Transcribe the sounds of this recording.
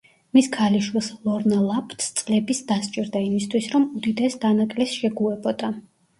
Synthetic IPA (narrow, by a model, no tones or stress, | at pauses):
miskʰaliʃwilˠslˠɔɾnalˠapʰt̪ʰst̪sʼlɛbisd̪ast͡ʃʼiɾd̪aimist̪ʰwisɾɔmud̪id̪ɛsd̪anakʼlɛsʃɛɡuɛbɔd̪̥a